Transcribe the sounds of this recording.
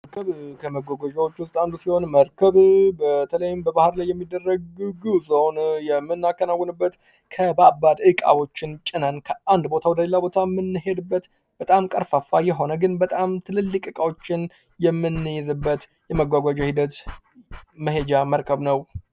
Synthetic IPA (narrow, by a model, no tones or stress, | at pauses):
məɾkʰəβkʰəməɡʷaɡʷad͡ʒawot͡ʃːwʊst̪ʼand̪usiho̞nməɾkʰəβbət̪ʰələjɪmbəbahɨɾlajːɛmːid̪ːərːəɡɡɨzonjɛmːɨnːakːənawːɔnɨbːət̪ | kʰəbabad̪ɨkʼa̰wo̞t͡ʃːɪnt͡ʃʼɪnənkʰəʔand̪bo̞t̪ʰawd̪əlelːabo̞t̪ʰamːɨnːɨhe̞d̪ɨbːət̪ | b̥ət̪ʼamkʼəɾfafːajɛɦo̞nəɡɨnbət̪ʼamt̪ʰɨlɨlːɨkʼɨkʼawot͡ʃːɪn | jɛmːɨnːɨjɛzɨbːət̪ | jɛməɡʷaɡʷad͡ʒahid̪ət̪ | məɦed͡ʒaməɾkʰəβnəw